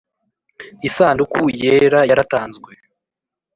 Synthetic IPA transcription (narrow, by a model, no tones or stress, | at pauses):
isaːndukujeɾajaɾataːnzɡwe